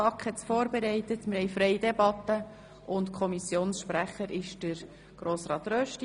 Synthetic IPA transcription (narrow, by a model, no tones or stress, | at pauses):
ɑkχhɛt͡sfoːɾbɛɾɛɪtətmɪɾhɛjfɾɛɪjdɛbɑt̪ːə | ʊntkʰɔmisjoːnsʃpɾæχəɾɪʃd̥əɾ | ɡ̥ɾoːsɾɑːt̪ɾœʃt